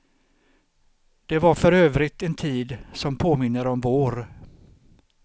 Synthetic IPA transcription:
d̪̥ɛvaɾfœɾøːvɾɪt̪ɛnt̪ʰiːd̪sɔmpʰoːmɪnːəɾɔmvoːɾ

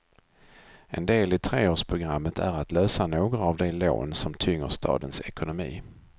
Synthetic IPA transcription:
ʔɛ̰nd̪eːlɪt̪ʰɾeːoːʂpʰɾʊɡɾamːət̪ʰæɾat̪løːsanoːɡɾaːvd̪ɛlo̰ːnsɔmt̪ʰʏŋːəʂt̪ʰɑ̰ːd̪ənsɛkʊnʊmḭː

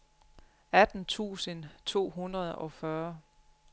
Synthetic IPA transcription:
æd̥n̩t͡sʰṵːsənt͡sʰo̝̰ːɦunʁɐð̞̩ˠɒ̽fɶɐ

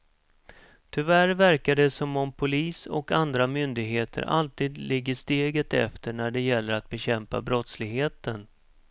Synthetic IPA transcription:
t̪ʰʏvæɾvæɾkad̪ɛsɔmɔmpʰʊliːsɔ̰kand̪ɾamʏnd̪ɪɡɦeːt̪ʰə̰ɾʔa̰lt̪iːd̪lɪɡːəʂt̪eːɡət̪ɛ̰ft̪əɳæɖɛjɛlːəɾat̪̚bɛɕɛmpa̰bɾɔt̪slɪɡɦeːt̪ən

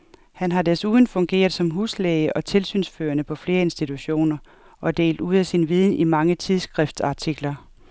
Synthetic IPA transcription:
hænɦɑ̈desuðˠn̩fɔ̽ŋɡ̥e̝̰ːɐðˠsɒ̽mɦuːslɛɪəʔɒ̽t͡sʰe̝lsy̰ːnsfø̰ːɐnəpʰɒ̽fle̝ːɐe̝nsd̥it͡sʰuɕo̝̰ːnɐ | ʔɒ̽d̥e̝̰ːld̥uð̰ˠæsinʋiːð̞ˠn̩imɑ̈ŋət͡sʰiðˠsɡ̥ʁɛfd̥sɑ̈t͡sʰiɡ̥lɐ

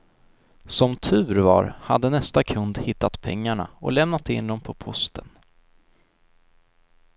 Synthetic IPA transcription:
sɔmt̪ʰʉ̟ːɾvɑ̰ɾhad̪ːənɛst̪akʰɵnd̪hɪt̪ːat̪pʰɛŋːaɳa̰ɔ̰lɛmnat̪ɪ̰nd̪ɔmpʰɔpʰɔst̪ʰən

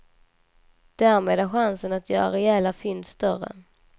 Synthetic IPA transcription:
d̪̥æɾmeːd̪æɾɧansənat̪ʰjœ̰ːɾaɾɛjɛːlafʏnsːt̪œɾə̰

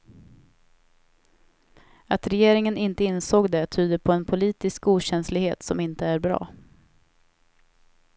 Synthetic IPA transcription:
at̪ɾɛjeːɾɪŋənɪnt̪əɪnsoːɡd̪ɛt̪ʰyːd̪əpʰɔɛnpʰʊliːt̪ɪskuːɕɛnslɪɡheːt̪sɔmɪnt̪əæɾbɾɑ̰ː

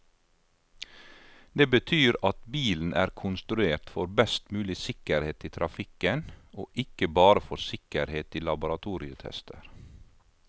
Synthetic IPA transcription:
d̪eːbət̪ʰyːɾɑt̪biːln̩ʔæ̰ːɾkʰʊnst̪ɾʉeːɾt̪fɔɾbɛst̪mʉːlɪsɪkəɾheːt̪iːt̪ʰɾʔɑfɪkənoːʔɪkəbɑːɾəfɔɾsɪkəɾheːt̪ɪlɑbʊɾɑt̪ʰuːɾɪət̪ʰɛ̰st̪ʰə̰ɾ

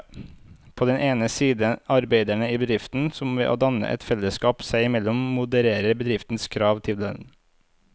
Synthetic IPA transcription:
pʰoːd̪ɛnʔeːnəsiːd̪əɑɾbeɪd̪æɳəiːbəd̪ɾɪft̪n̩sɔmʋeːʔo̰ːd̪ɑnə̰ʔɛ̰t̪fɛləskɑːpsæɪɪmɛlɔmmʊd̪əɾeːɾəɾbəd̪ɾɪft̪n̩skʰɾɑːʋt̪ʰɪlə̰

